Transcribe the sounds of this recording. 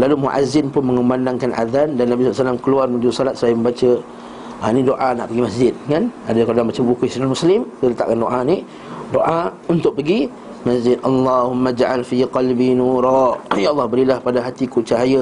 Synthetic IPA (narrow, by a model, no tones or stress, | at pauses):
lalumuʔa̰zɪnpʊnməŋəmandaŋkanʔa̰ðandanːabisɔlsalːamkəluarmə̃d͡ʒudusɔlat̪̚səajəmə̃mbat͡ʃə | anidoʔana̰ʔpəɡimasd͡ʒɪt̪̚ŋanadakalodaŋbat͡ʃəbəbukʊsinalmuslɪmt̪ələt̪a̰ʔkandoʔani | doʔa | unt̪ʊʔ̚pəɡi | masd͡ʒɪd̪ʔɑlːɑhʊmːad͡ʒʔalfiqɑlbinuɾɑjaʔɑlːɑhbəɾilahpadaɦat̪ikut͡ʃaɦajə